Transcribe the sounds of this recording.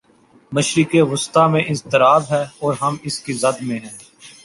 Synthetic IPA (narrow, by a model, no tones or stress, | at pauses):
məʃɾɪkeʋʊst̪aːmẽʔɪ̃nzt̪ɪɾaːb̪ɦɛːɔːɾɦɐmɪskizɐd̪mẽɦɛ̃ː